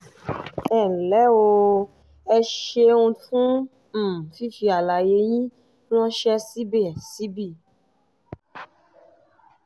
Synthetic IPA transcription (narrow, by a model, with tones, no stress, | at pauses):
ɛ˨lɛ˨˦o˧ | ɛ˧ʃe˧ũ˧fũ˦˨ | fi˦fi˧a˨la˨je˨˦j̃ĩ˦ | ñ˦ɔ̃˦ʃɛ˦si˦be˦˨si˨˦bi˦˨